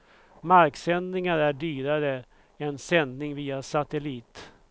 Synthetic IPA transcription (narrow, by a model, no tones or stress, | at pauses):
maɾksɛnd̪nɪŋaɾæɖyːɾaɾə | ɛnsɛnd̪nɪŋviːasat̪ɛliːt̪